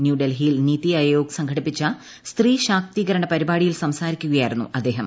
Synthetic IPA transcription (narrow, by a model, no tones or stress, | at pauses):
njuːɖelɦiːlniːt̪iɐjjoːksɐŋɡʰʱɐɽipːit͡ɕːɐ | st̪riːɕaːk̚t̪iːɣɐɾɐɳɐpɐɾibaːɽijilsɐmsaːɾikʲːuɣɐjaːjiɾunːṵɐd̪ːe̞ːɦɐm